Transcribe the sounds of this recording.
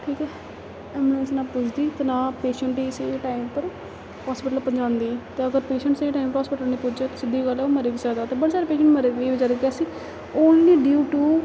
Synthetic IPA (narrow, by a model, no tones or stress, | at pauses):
ʈʰiːkɛː | mẽsnaːpʊt͡ʃʰd̪iːt̪enãːpeːʃəɳʈiːseːʈaːimpəɾ | hɔːspɪʈəlpəɲd͡ʒãːnd̪iːt̪eːəɡəɾpeːʃəɳʈseːʈaːimpəɾɦɔːspɪʈəlneːpʊd͡ʒaːt̪osɪd̪ːiːɡəloməɾiːʋizaːd̪aːt̪eːbəɽaːsaːɾeːpeːʃəɳʈməɾeeːʋəd͡ʒaːɾəɡjaːsiː | oːnliːɖuːʈuː